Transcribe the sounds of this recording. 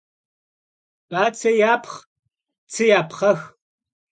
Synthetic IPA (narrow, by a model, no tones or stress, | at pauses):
ʔaːt͡sʰɐjaːpʰχ | t͡sʰɨjaːpʰχɐx